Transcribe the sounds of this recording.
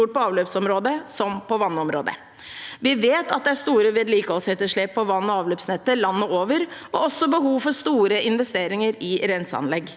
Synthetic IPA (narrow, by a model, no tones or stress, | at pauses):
uːʈ̚pɔɑːʋløːpsɔmɾoːd̪əsɔmpɔʋɑnːɔmɾo̰ːd̪ə̰ | ʋɪʋeːt̪ɑt̪̚d̪ɛæʂt̪uːɾəʋɪd̪liːkəɔshɛt̪ːəʂɭeːpʰːɔʋɑnːɔɑːʋløːpsnɛt̪ːəlɑnːəoːʋəɾɔɔsːɔbəɦuːʋfɔʂt̪uːɾəʔɪnʋɛst̪eːɾɪŋəɾɪɾɛnsəɑ̰nlɛɡː